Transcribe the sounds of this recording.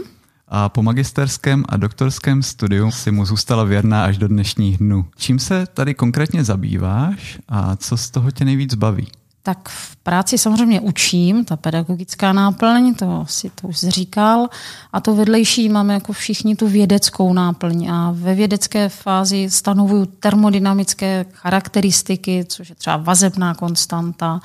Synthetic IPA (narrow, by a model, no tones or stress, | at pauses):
ʔapo̞maɡɪst̪ɛɾskɛːmʔa̰dok̚t̪o̞ɾskɛːmst̪udɪjusɪmuzuːst̪alavjɛɾnaːʔaʒdodnɛʃɲiːɣdnuːt͡ʃiːmsɛt̪adɪko̞ŋkɾɛːt̪ɲɛzabḭːva̰ːʃʔa̰t͡so̞st̪oɦocɛnɛjviːd͡zbavḭː | t̪akfpɾaːt͡sɪsamozr̝ɛjmɲɛʔut͡ʃiːmt̪apɛdaɡo̞ɡɪt͡skaːnaːpl̩ɲt̪o̞sɪt̪oʔuʒzriːkalʔat̪ovɛdlɛjʃiːmaːmɛjako̞fʃɪxɲɪt̪uvjɛdɛt͡sko̞wnaːpl̩ɲʔavɛvjɛdɛt͡skɛːfaːzɪst̪anovujut̪ɛɾmodɪnamɪt͡skɛːxaɾakt̪ɛɾɪst̪ɪkɪt͡soʃjɛt̪r̥ɛba̰vazɛbnaːko̞nst̪ant̪a